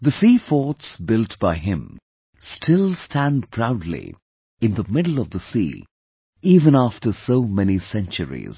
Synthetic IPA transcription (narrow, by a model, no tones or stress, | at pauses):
ðəsifɔɹtsbɪlˠtb̥aɪɪ̃m | stʰɪlˠstʰæ̃ndpʰɹ̥aʊdˡlḭ | ɨ̃nðəmɪdl̩ˠʌvðəsḭː | ivə̃næftə˞soʊmɛnisɛ̃nt͡ʃəɹḭz̥